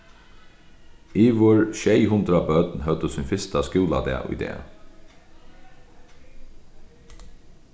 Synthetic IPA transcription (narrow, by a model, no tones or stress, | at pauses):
iːʋʊɹʃɛjɦʊnd̪ɾabœt̪nɦœt̪əsʊnfɪst̪askuːla̰d̪ɛ̰ːʔʊ̰jd̪ɛ̰ː